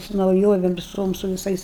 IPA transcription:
sʊ nɐʊˈjoːʋʲɛm ʋʲɪˈsoːm sʊ ʋʲɪˈsɐɪs

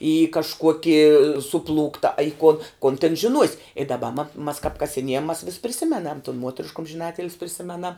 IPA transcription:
iː kɐʃˈkuɔkʲiː sʊˈplˠuːktɐ ɐ ɪ kuɔn koːn tʲɛn ʒʲɪˈnuɔsʲ ɪ dɐˈbɐ mɐ mɐs kɐp kɐsʲɪˈnʲiɛjɛm mɐs ʋʲɪs pʲrʲɪˈsʲɪmʲɛnɐm tʊn ˈmuɔtʲrʲɪʃk ʊmʲʒʲɪˈnɑːtʲɪlʲs pʲrʲɪˈsʲɪmʲɛnɐm

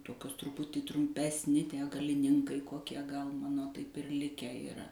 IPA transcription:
ˈtoːkʲoːs trʊˈpʊtʲiː trʊmʲˈpʲæːsʲˌnʲɪ ˈtʲiɛ ɡɐlʲɪˈnʲɪŋkɐɪ koːˈkʲiɛ ɡɐlˠ ˈmɑːnoː tɐɪp ɪr ˈlʲɪkʲæː iːˈrɐ

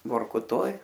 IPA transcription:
ʋoːrkʊˈtoːj

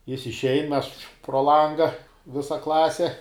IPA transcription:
ˈjɪs ɪʃʲˈɛɪn ˈmʲɛs proː ˈlˠɐŋɡɐ ˈʋʲɪsɐ ˈklˠɑːsʲɪ

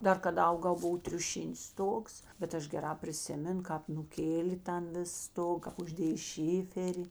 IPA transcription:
ˈdɐr kɐˈdɐ ˈɐʊɡɐʊ ˈbʊʋoː tʲrʲʊˈʃʲɪnʲɪs ˈstoːks bʲɛt ˈɐʃ ɡʲɛˈrɑː pʲrʲɪˈsʲɪmʲɛn ˈkɑːp nʊˈkʲeːlʲeː ˈtɐn ˈʋʲɪs ˈstoːk kɐp ʊʒʲˈdʲeːjeː ˈʃʲɪfʲɛrʲɪ

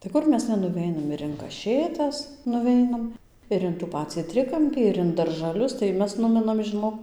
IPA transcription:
tɐɪ ˈkʊr mʲɛs nʲɛnʊˈʋʲɛɪnɐm ɪr ɪn kɐˈʃʲeːtɐs nʊˈʋʲɛɪnɐm ɪr ɪn tuː ˈpɑːt͡sʲiː ˈtʲrʲɪkɐmʲpʲiː ɪr ɪn dɐrʒɐˈlʲʊs tɐɪ ˈmʲɛs ˈnʊmʲɪnɐm ʒʲɪˈnoːk

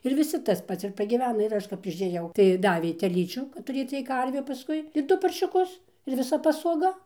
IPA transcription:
ɪr ʋʲɪˈsʲɪ tɐs ˈpɐts ɪr pɐɡʲiːˈʋʲæːnɐ ɪr ˈɐʃ kɐp ɪʃʲeːˈjɛʊ tɐɪ ˈdɑːʋʲeː tʲɛˈlʲiːt͡ʃʲuː tʊˈrʲeːt͡s t͡sʲiɛk ˈkɐrʲʋʲʊ pɐˈskʊɪ ɪr ˈdʊ pɐrʲʃʲʊˈkʊs ɪr ʋʲɪˈsɐ pɐsoːˈɡɐ

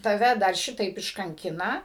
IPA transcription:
tɐˈʋʲɛ dɐr ˈʃʲɪtɐɪp ɪʃkɐŋʲˈkʲɪnɐ

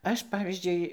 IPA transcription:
ˈɐʃ ˈpɑːʋʲiːzʲd͡ʒʲʊɪ

